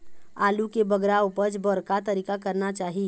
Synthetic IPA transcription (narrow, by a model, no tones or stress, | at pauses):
aːlukebəɡɾaupəɾd͡ʒbɔɾkat̪əɾikakəɾnat͡ʃaːɦi